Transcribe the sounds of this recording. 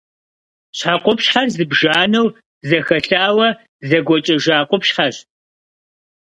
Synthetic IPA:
ɕħaqʷʊpɕħarzɨbʒaːnɐw | zɐxɐɬaːwɐ | zɐɡʷɔt͡ʃʼɐʒaːqʷʊpʃħar

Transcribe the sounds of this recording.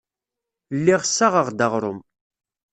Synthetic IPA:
lːiʁsːaʁəʁd̪aʁɾˤʊ̰m

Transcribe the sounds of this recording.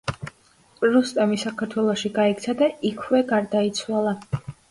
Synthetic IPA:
pʼɾust̪ʼɛmisakʰaɾt̪ʰwɛlˠɔʃiɡaɛk̚t̪sʰad̪aikʰwɛɡaɾd̪ait̪sʰwalˠa

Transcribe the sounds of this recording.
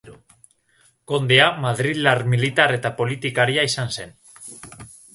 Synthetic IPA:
ko̞nd̪e̞amaðɾiðlaɾmilit̪are̞t̪apo̞lit̪ikaɾiaisanse̞n

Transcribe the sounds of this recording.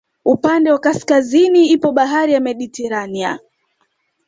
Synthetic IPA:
upandɛwakaskaziniipɔɓaɦaɾijamɛɗitɛɾania̰

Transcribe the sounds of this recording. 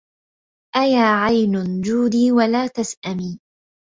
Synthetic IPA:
ʔajaːʕajnʊnd͡ʒuːd̪iːwalaːt̪asʔamiː

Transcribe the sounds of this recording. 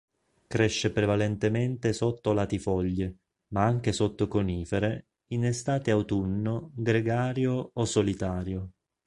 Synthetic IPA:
kɾeʃːepɾevalɛnt̪ement̪esot̪ːolat̪ifɔʎːe | maaŋk̟esot̪ːokoniːfeɾe | inest̪aːt̪eawt̪unːoɡɾeɡaːɾjoːsolit̪aːɾjo

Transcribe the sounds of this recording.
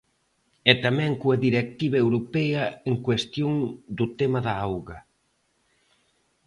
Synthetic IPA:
ɛt̪amɛ̃ŋkuɐðiɾek̚t̪iβɐewɾopɛɐeŋkwest̪joŋd̪ʊt̪emɐðaawɣɐ

